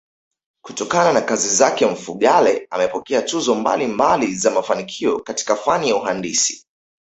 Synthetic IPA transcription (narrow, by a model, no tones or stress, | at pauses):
kutɔkananakazizakɛɱ̩fuɠalɛamɛpɔkɛatuzɔmba̰limbalizamafanikʰiɔkati̥kafanijauɦandḭsi̥